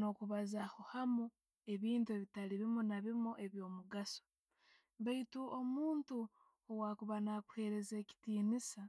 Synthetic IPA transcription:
no̞kuβazaxuhamu | e̞βiːntue̞βitaliβimunaβimuʔe̞βjo̞ːmuɡaso̥ | βaituʔo̞muːntu | owakuβanakuhe̞ːɾe̞zeːci̥tiːnisa

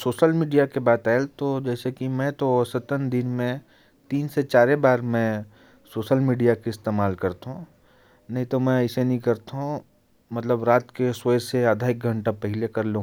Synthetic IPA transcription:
soːʃəlmiːɖijakebaːt̪ɛːlt̪od͡ʒɛːsekimɛ̃t̪osɐt̪ənd̪ɪnmẽ | t̪iːnset͡ʃaːɾebaːɾmɛ̃ | soːʃəlmiːɖijakeɪst̪eːmaːlkɐɾt̪aɦũ | nɐɦĩt̪omɛ̃ɪsenɐɦĩkɐɾt̪aɦũ | mɐt̪ləbɾaːt̪keswəseɐd̪ʱaːɪk̚ɡʱɐ̃ɳʈapɛɦɪlekɐɾlũ

